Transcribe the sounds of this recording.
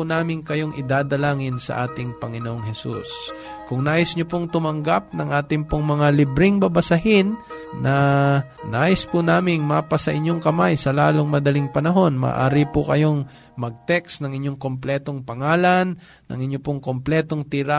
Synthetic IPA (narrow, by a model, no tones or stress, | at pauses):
naːmɪŋkɐjoŋʔɪd̪aːd̪ɐlaːŋɪnsɐ̰ʔaːt̪ɪŋpɐŋɪnoʔoŋhɛsṵs | kʊŋnaːjɪsɲopoŋt̪ʊmɐŋɡap̚nɐŋʔaːt̪ɪŋpʊŋmɐŋalɪbɾɪŋbɐbɐsɐɦɪnːʔɐ | naːjɪspʊnaːmɪŋmaːpɐsɐʔɪɲːoŋkɐmajsɐlaːloŋmɐd̪ɐliŋpɐnɐɦo̞nma̰ːʔa̰ːɾipʊkɐjo̞ŋ | mɐɡ̚t̪ɛksnɐŋɪɲːoŋkomplɛːt̪oŋpɐŋaːlanː | ʔɐ̰ŋɪɲːopʊŋkomplɛt̪o̞ŋt̪ɪɾa